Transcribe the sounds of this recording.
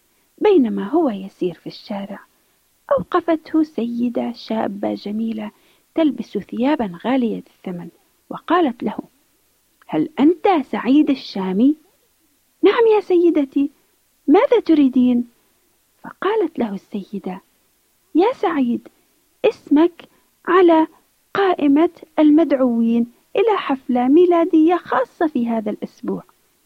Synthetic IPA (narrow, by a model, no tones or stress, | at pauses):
beːnamaɦʊwajasiːɾfiʃːaːɾɪʕ | ʔawqɑfat̪hʊsajːɪd̪aʃaːbːa̰d͡ʒamiːla | t̪albasθɪjaːbanɣaːlɪjalɪθːaman | wɪqɑːlat̪lahʊ | halʔant̪asaʕiːd̪aʃːaːmi | naʕamjaːsajːɪd̪at̪i | maːðat̪ʊɾiːd̪iːn | fɑ̰qɑːlat̪laɦʊsːajːɪd̪a | jaːsaʕiːd̪ | ʔɪsmak | ʕala | qɑːʔɪmaʔalmad̪ʕʊwiːn | ʔɪlaħaflamiːlaːd̪ɪjːaxɑːsˤːɑfiɦaːðalʔʊsbuːʕ